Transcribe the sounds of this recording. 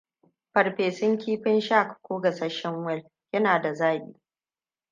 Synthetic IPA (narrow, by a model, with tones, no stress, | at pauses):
ɸɐ˨ɾɸeː˨sɪ˦ŋkʲiː˦ɸɪ˦nʃa˦˨kkʷoː˦ɡɐ˨sɐ˦ʃɛ˦ŋwɛ˦˨l | jɐ˦naː˨da˨zaː˦ɓḭː˦